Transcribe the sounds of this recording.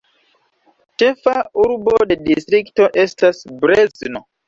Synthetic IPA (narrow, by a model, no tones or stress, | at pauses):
t͡ʃe̞fauɾbo̞de̞distɾikto̞ʔe̞stasbɾezno